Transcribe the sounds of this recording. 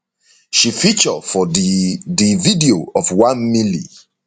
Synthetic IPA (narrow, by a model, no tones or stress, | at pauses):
ʃifit͡ʃəfɔdividioʔɔfwãnmilḭ